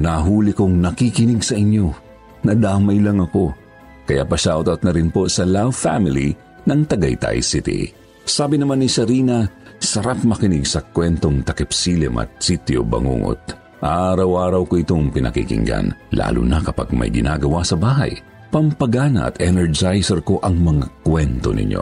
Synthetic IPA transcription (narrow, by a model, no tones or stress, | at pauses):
naɦuːlɪkoŋnɐkikɪnɪɡsɐʔɪɲo̞ | nɐd̪amɐjlɐŋɐko̞ | kɐja̰ʔpɐʃaːʔot̪ʔot̪̚nɐɾɪnpo̞sɐlawfa̰mɪlḭ | nɐŋt̪ɐɡɐjt̪a̰jsɪt̪ḭ | saːbɪnɐmanːisɐɾiːnɐ | sɐɾap̚mɐkɪnɪɡsɐkwɛnt̪o̞ŋt̪ɐkɛpsilɛ̰mʔɐ̰t̪̚sit̪jo̰bɐ̰ŋṵːŋo̰t̪̚ | ʔaɾɐwʔaːɾɐwkoʔɪt̪o̞ŋpɪnɐkḭkɪ̰ŋɡa̰nlʔa̰ːlʊ̰nɐkɐpaɡ̚mɐ̰jɡɪnaːɡɐwasɐbaːɦɐ̰j | pɐmpɐɡaːnɐ̰ʔːt̪ʔɛnɛɹd͡ʒajsɛɾko̞ʔɐŋmɐŋakwɛnt̪o̞̰nɪ̰ɲʔo̞̰